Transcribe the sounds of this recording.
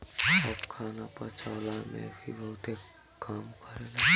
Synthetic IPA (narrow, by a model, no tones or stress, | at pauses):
ɔpkʰaːnapət͡ʃʰaːlamḛ̃bʱḭbəɦʊt̪e | kaːmkəɾena